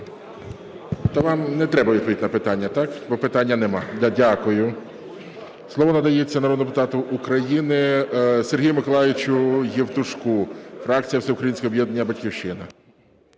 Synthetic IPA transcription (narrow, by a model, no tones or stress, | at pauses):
t̪ɐʋɑmnɛt̪ɾɛbɐʋʲid̪̚pɔʋʲitʲnɐpɪt̪ɑnʲːɐt̪ɑkbɔpɪt̪ɑnʲːɐnɛmɑd̪ʲadʲakʊjʊ | slˠɔʋɔnɐd̪ɐjet͡sʲːɐnɐɾɔd̪pʊt̪ɑt̪ʊʔukɾɐjinɪserɦʲijʊmɪkɔlˠɑʋɪt͡ʃʊjɛwt̪ʊʃkufɾɑk̚t͡sʲijɐwsɛʊkɾɐjinʲsʲkɔɔbjɛd̪nɐnʲːɐbɐtʲkʲiwʃɪnɐ